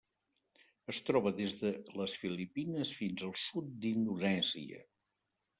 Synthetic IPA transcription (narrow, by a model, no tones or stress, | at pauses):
əst̪ɾɔβəðezðələsfilipinəsfinzəlˠsut̪̚d̪ind̪ulɛnsḭə̰